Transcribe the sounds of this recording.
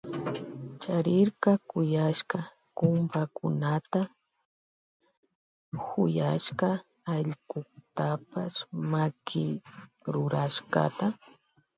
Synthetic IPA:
t͡ʃaɾɪɾkɑkʊjaʃkɑ | kʊmpakʊnat̪a | hʊ̰jaʃqɑː | ʎɢʊkt̪apasmakʰɪɾʊɾaʃkɑ̰t̪a

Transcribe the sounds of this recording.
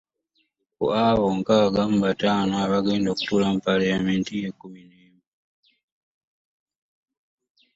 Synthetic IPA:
kṵaβoŋkaɡamubataːnoaβaɡe̞ːndoku̥tulamupaljamentijekumineːmi

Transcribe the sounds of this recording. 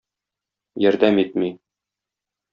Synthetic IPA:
jɒɾd̪æmit̪̚mi

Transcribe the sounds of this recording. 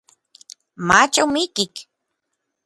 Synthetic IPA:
mat͡ʃamikik

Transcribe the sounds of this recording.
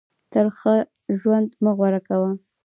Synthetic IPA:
t̪əɾxə | ʒwand̪məɣwaɾakawa

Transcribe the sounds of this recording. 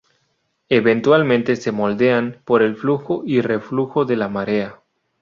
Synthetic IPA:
e̞βe̞nt̪walmẽnt̪e̞se̞mo̞ld̪eanpo̞ɾe̞lfluxoire̞fluxo̞ðe̞lamaɾea

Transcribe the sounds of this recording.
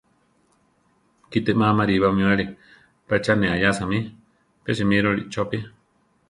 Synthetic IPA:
kit̪eʔmãmaɾiβamĩaɾi | pat͡ʃanẽajasamĩ | peʃimĩɾoɾḭʔt͡ʃopi

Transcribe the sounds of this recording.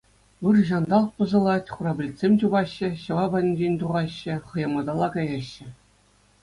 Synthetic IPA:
ɯrʑɑnd̪ɑlˠpɤ̆zɤ̆lˠɑtʲχuɾɑbʲlʲitʲsʲemʲt͡ɕubɑɕːɘ̆ɕɤ̆ʋɑbɑnʲid͡ʑenʲt̪uʁɑɕːɘ̆χɤ̆jɑmɑd̪ɑlˠːɑkɑjɑɕːɘ̆

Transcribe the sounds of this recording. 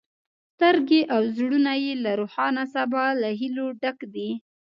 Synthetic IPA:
st̪aɾɡeʔawzɽunajelaɾoxɑnasabɑlaɦiloɖakd̪i

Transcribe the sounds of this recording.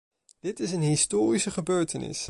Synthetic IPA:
d̥ɪtɪs̬ənɦɪstoːɾisəχəbøːɹtənɪ̰s

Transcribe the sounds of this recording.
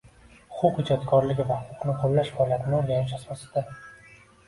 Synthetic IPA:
hʊ̥qʰʊqhɪd͡ʒɒt̪kʰʲɒɾlɪɡʲɪvahʊqʰʊqnɪqʰolːaʃhɒlat̪ʰɪnɪoɾɡʲanɪʃ̬asɒsɪ̥d̪a

